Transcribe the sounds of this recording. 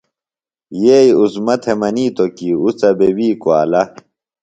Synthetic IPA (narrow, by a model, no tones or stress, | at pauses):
jejuzmɐt̪ʰemɐniːt̪okiusɐbewiːkoaːlɐ